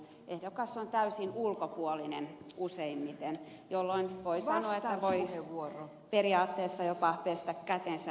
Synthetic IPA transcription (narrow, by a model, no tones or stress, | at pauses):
ʔehdokɑsːont̪æysinulkopuolinenuseimːit̪en | jolːoinʋoisɑnoɑet̪ːæʋoieʋuoro | periɑːt̪ːeːsːɑjopɑpest̪ækkæt̪ensæ